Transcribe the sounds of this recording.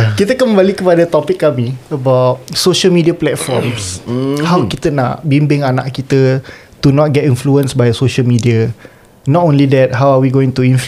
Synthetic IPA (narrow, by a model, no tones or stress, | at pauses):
kit̪əkəmbalikəpadat̪ɔpɪkːamĩəbawt̚soʃəlmidiaplɛtfɔ̰rmshawkit̪əna̰ʔbimbɪŋana̰ʔkit̪ə | t̪unɔt̚ɡɛtĩnfluə̃nsbajsoʃəlmidia | nɔtõnlidɛt̚ɦawawiɡoĩŋt̪uĩnf